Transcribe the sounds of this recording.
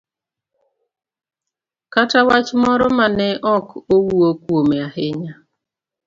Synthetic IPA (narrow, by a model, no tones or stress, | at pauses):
katawat͡ʃmɔɾɔmanɛʔɔkowuokwomeahɪɲa